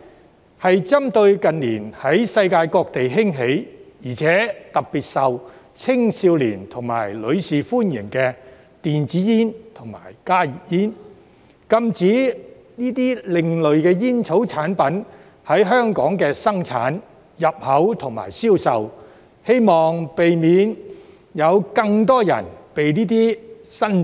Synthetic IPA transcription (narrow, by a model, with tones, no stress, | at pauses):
hɐ˨jt͡sɐ˥mt̪ɵ˧ɥkɐ˨nliː˨˩nhɐ˨˥jsɐ˧jkaː˧jkɔː˧k̚t̪e˨jɦɪ˥ŋɦe˨˥jjiː˨˩t͡sʰɛː˨˥t̪ɐ˨k̚piː˨t̚sɐ˨w | t͡sʰɪ˥ŋsiː˧wliː˨˩nt̪ʰʊ˨˩ŋma̰ː˨˩jlɵ˨˧ɥsiː˨fuː˥njɪ˨˩ŋkɛː˧ | t̪iː˨nt͡siː˨˥jiː˥nt̪ʰʊ˨˩ŋma̰ː˨˩jkaː˥ji˨jiː˥n | kɐ˥mt͡siː˨˥ | niː˥t̪iː˥lɪ˨ŋlɵ˨ɥkɛː˧jiː˥nt͡sʰo˨˥wt͡sʰaː˨˥npɐ˨˥n | hɐ˨˥jɦœː˥ŋkɔː˨˥ŋkɛː˧sɐ˥ŋt͡sʰa̰ː˨˥n | jɐ˨p̚hɐ˨˥wt̪ʰʊ˨˩ŋma̰ː˨˩jsiː˥wsɐ˨w | he˥jmɔː˨ŋpe˨jmiː˨˧n | jɐ˨˧wkɐ˧ŋt̪̬ɔː˥jɐ̰˨˩npe˨jniː˥t̪̬iː˥sɐ˥n